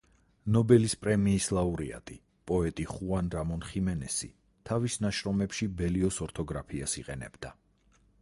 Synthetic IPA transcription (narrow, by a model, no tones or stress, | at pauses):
nɔbɛlispʼɾɛmiːslˠauɾia̰t̪ʼi | pʼɔɛt̪ʼiχuanɾamɔnχimɛnɛsḭ | t̪ʰavisnaʃɾɔmɛpʃibɛliɔsɔɾt̪ʰɔɡɾapʰiasiqʼɛnɛ̰bd̪̥a